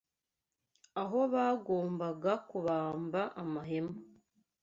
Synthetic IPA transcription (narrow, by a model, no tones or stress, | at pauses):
aɦo̞βaɡo̞ːmbaɡakuβaːmbaʔamaɦe̞mo